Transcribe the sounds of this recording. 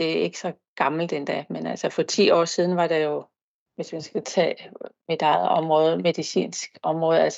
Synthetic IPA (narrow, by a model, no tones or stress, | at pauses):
d̥e̝æe̝ɡ̥sɒ̽ | ɡ̥ɑ̈ml̩d̥end̥ɛmenælsəfɒ̽t͡sʰḭːɒ̰ːsiːð̞ˠn̩ʋɑ̈ɾ̥ɑ̈jo̝ | ʋe̝smænsɡ̥æt͡sʰɛ̰ːme̝d̥ɑðˠɒ̽mʁɔ̽ːð̞ˠme̝ðˠisḭːnsɡ̥ɒ̽mʁɔ̽ːð̞̩ˠæls